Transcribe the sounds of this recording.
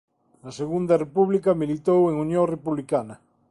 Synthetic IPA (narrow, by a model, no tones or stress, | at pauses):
ɐseɣund̪ɐrepuβlikɐmilit̪oweŋunjõŋrepuβlikanɐ